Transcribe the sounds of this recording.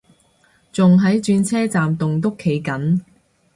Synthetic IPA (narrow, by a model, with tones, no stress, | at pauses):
t͡sʊ˨ŋɦɐ˨˥jt͡ʃyː˧nt͡sʰɛː˥t͡saː˨mt̪ʊ˨ŋt̪ʊ˥kʰːe˨˥jkɐ˨˥n